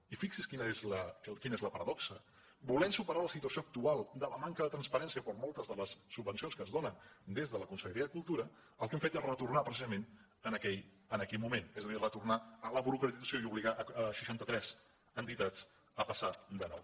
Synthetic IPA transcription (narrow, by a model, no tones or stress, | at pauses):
ifiksiskinəezləkinəezləpəɾəðɔksə | bulɛmsupəɾaləsit̪uəsioək̚t̪ualˠd̪ələmaŋkəðət̪ɾənspəɾɛnsiəpəɾmɔlˠt̪əzðələsːubːənsionskəzðonəd̪ezðələkunsəʎəɾiəðəkulˠt̪uɾə | əlˠkɛmfet̪ezrət̪urnapɾəsizəmẽn | ənəkɛj | ənəkɛjmumenɛzðəðirət̪urnaələβuɾukɾət̪idd͡zəsjoiuβliɣaʔəʃə̥ʃant̪ət̪ɾɛz̥ | ənt̪it̪ad͡z | əpəsad̪ənɔ̰w